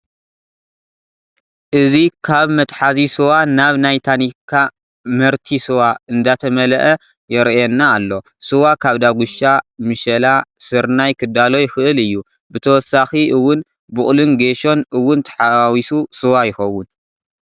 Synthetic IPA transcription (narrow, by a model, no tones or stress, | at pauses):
ʔɨzikʰaβmɐt̪ʼħazisɨwanaβnajt̪ʰanikʰːa | mɐɾt̪ʰisɨwaɨnd̪at̪ʰɐmɐlɐʔɐ | jɛɾjɛnːaːlːo̞ | sɨwakʰaβd̪aɡuʃamɨʃɐlasɨɾnajkʰɨd̪alo̞jɪxɨʔɨlɨjːu | bɨt̪ʰɐwɔsaxiʔɨwːʊn | bʊχʼlɨnɡeʃo̞nʔɨwːʊnt̪ʰɐ̥ħawisusɨwajɪxɐwːʊn